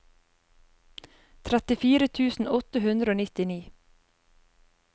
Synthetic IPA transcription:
t̪ʰɾɛt̪ɪfiːɾət̪ʰʉːsn̩ɔt̪əhʉnd̪ɾəoːnɪt̪ɪniː

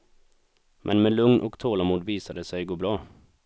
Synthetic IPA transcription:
mʔɛnmeːlʉŋnʔo̰ːɡt̪ʰoːlɑmuːɖ̪ʋiːsəɖ̪eːsæɪɡuːbɾɑː

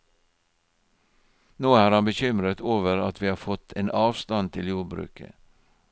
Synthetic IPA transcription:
noːæːɾhɑnbəçʏmɾət̪ʰoːʋəɾɑt̪ʰʋiːhɑːfɔt̪ʰeːnʔɑːʋst̪ɑnt̪ʰɪljuːbɾʉ̰ːkə̰

